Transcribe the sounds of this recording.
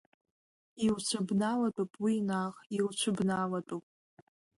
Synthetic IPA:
iwt͡ʃʷʰɨbnalatʼopʼwinaʁilt͡ʃʷʰɨbnalatʼowpʼ

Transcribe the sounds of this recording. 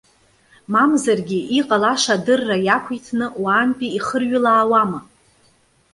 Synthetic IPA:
mamzarɡʲiʔiqʼalaʂadɨrːajakʷʰijtʰnɨwaːnpʼiiχərɥɪlaːwama

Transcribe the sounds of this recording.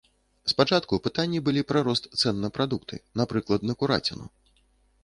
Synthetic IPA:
spat͡ʂat̪kupɨt̪anʲːibɨlʲipɾɐɾɔst̪t̪sɛnːɐpɾad̪ukt̪ʰɨ̰napɾɨklˠɐd̪nɐkuɾa̰t͡sʲinṵ

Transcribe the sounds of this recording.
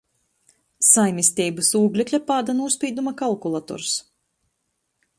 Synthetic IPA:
sajmʲisʲt̪ʲiːbasuːɡlʲɛklʲapaːd̪anuɔspʲiːd̪umakalˠkulˠat̪ɔ̰ɾs

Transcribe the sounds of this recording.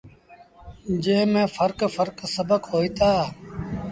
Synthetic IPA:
d͡ʒeɦmẽːfʰəɾkfəɾksəbəkɦoːiːt̪aː

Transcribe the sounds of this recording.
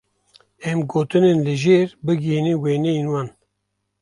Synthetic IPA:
ɛmɡoːt̪ɨnenlɨʒeːɾbɨɡeːniweːnɛjenwɑːn

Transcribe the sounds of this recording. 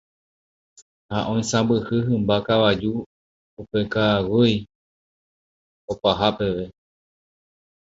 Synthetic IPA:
haʔõ̞j̃sãbɨhɨɦɨ̃mbakaʋad͡ʒu | upe̞kawɨj | opaɦape̞ʋe̞

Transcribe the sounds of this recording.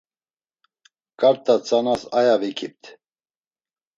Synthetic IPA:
kʼaɾt̪ʰʼat͡sʼanasajavikʰip̚t̪ʰ

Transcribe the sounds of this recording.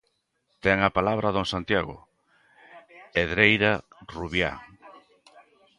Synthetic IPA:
t̪ɛŋapalaβ̞ɾaðoŋsant̪jaɣʊ̰ | eðɾejɾa | ruβja̰

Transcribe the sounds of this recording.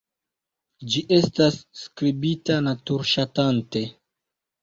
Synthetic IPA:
d͡ʒiʔe̞stasːkɾibitanatuɾʃatante̞

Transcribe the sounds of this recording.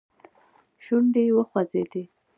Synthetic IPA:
ʃuɳɖewəxwazed̪e

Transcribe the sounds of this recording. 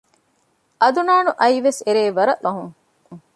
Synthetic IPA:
ʔɐd̪unaːnuʔɐiʋeseɾeːʋɐɾɐʔlɐɦuŋ

